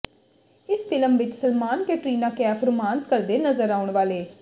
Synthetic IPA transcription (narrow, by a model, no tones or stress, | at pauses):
ɪsfɪləmʋɪt͡ʃsəlmaːnkeːʈɾiːnãːkɪjaːpʰəɾmaːnskəɾd̪eːnəzəɾaːʊɳʋaːleː